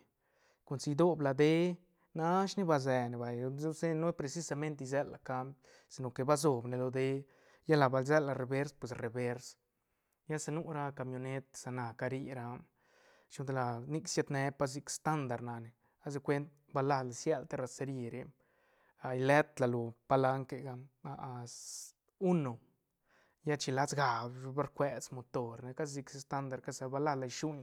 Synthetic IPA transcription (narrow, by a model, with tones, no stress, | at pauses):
ku˨nsi˧d̪o˦bla˧d̪e˦ | na˦ʃni˦ba˧ze˨ne˨ba˨jse˦no˦pɾe˧si˦sa˧me˦nt̪i˧z̬e˦lːa˨ka˧˦mp | si˨no˨ke˨ba˦zo˨bne˧lo˧d̪e˦ | ja˦la˨ba˧lze˦lːa˧˨ɾe˨be˦ɾspwe˨sre˨be˧˦ɾs | ja˦sa˧nu˦ɾa˧ka˧mjo˧ne˦t̪sa˧na˨ka˧ɾi˦ɾa˧m | t͡ʃu˧˦d̪la˧ni˦ksja˧t̪ne˧pa˦sz̬i˧kst̪a˦nd̪a˨ɾna˨ne˨ | a˦z̬e˧kʷe˦nt̪̚ | ba˧la˦la˨sja˦lt̪e˦ɾa˧se˧ɾi˧ɾe˧m | a˨i˧le˦t̪la˨lo˨pa˧la˧˦ŋke˧ɡa˧a˧ | u˦no˨ | ja˦t͡ʃi˧la˦t͡sɡa˨bba˦ɾkʷe˦t͡smo˨t̪o˨ɾne˧ka˦szi˧kst̪a˦nd̪a˨ɾka˦sa˧ba˧la˦la˧ʃu˦ɲ